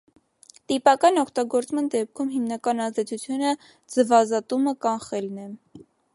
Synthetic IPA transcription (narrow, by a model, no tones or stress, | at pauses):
t̪ipɑkɑnɔkʰt̪ɑɡɔɾt͡smɑnd̪ɛp̚kʰumɦimnɑkɑnɑzd̪ɛt͡sʰut͡sʰjunə | d͡zəvɑzɑt̪uməkɑnχɛlnɛ